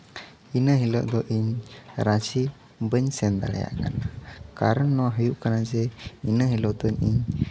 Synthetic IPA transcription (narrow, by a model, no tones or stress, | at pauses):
inəɦiləʔd̪ɔʔiɲɾasi | bəɲsɛnd̪a̰la̰ja̰ʔka̰nakaɾənːɔɦəjuʔkanad͡ʒɛinəɦilot̪ɔɲḭɲ